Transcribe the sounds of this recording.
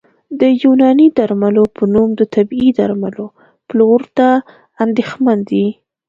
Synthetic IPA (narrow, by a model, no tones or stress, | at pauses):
d̪əjunɑnid̪aɾmalopʰənumd̪ət̪abid̪aɾmalo | ploɾt̪aː | nd̪exmand̪i